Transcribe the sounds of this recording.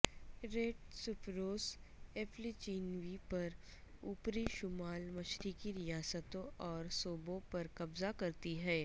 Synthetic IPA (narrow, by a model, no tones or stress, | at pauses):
ɾeːʈ̚sʊpɾoːseːfʰlit͡ʃiːnʋipɐɾuːpɾiʃʊmaːlmɐʃɾikiɾɪjaːsət̪õʔɔːɾsoːbõpɐɾkɐbzakɐɾt̪iɦɛː